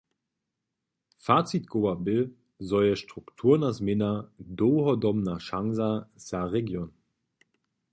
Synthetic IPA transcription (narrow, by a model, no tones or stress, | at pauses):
faːt͡sit̚ɡ̥oːabɪ | zɔjəʃtʁ̥uktʰuːɐnazmɪnadoːɦɔdɔmnaʃaŋzasaʁeɡjon